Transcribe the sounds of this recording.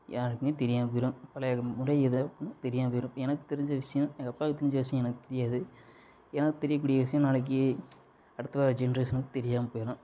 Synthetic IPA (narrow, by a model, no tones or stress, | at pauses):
jaːɾɯkːɯnit̪ɛɾɪjaːmpoːjɪɾɯmpɐlɐmʊɽɐɛðɯɐpːnːɯt̪ɛɾɪjaːmpoːjɪɾʊ̃pːɛnɐkːɯ̥t̪ɛɾɪɲd͡ʒɐʋɪʂɐjʊ̃mɐkɐpːaːkːɯt̪ɛɾɪɲd͡ʒɐʋɪʂ̬ɐjʊ̃ɛnɐkːɯt̪ɛɾɪjaːðɯ | ɛnɐkːɯt̪ɛɾɪjɐk̬ːuːɽɪjɐʋɪʂɐjʊ̃naːlɐk̬ːɯ | ɐɽɯt̪ːɐʋaːd͡ʒɛnresnɐkːɯt̪ɛɾɪjaːmɐpoːjɪɾɐ̃